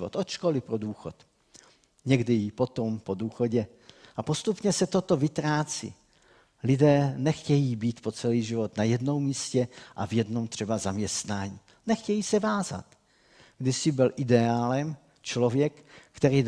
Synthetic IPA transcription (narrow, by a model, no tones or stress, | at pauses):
vo̰t̪ʔoʃkolɪpɾoduːxo̞t̪ | ɲɛɡdɪjipo̞t̪ompo̞duːxo̞ɟɛ | ʔapo̞st̪upɲɛsɛt̪o̞t̪o̞vɪt̪ɾaːt͡sḭ | lɪdɛːnɛxcɛjiːbiːt̪po̞t͡sɛliːʒɪvo̞t̪najɛdno̞wmːiːscɛʔa̰vjɛdno̞mt̪r̝̥ɛbazamɲɛst̪naːɲiː | nɛxcɛjiːsɛvaːza̰t̪ | ɡdɪsɪbɪlʔɪdɛaːlɛm | t͡ʃlovjɛkkt̪ɛɾiː